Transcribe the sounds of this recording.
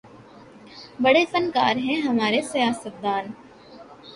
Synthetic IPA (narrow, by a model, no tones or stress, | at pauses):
bɐɽesɐ̃nka̰ːɾɦɛ̃ɦɐmaːɾesɐjaːsət̪̚d̪aːn